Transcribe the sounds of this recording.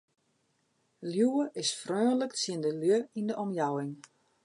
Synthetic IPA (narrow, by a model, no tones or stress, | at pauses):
ljuəʔɪsfrøːnləkt͡sjɪəndəljøindəʔɔmjawɪŋ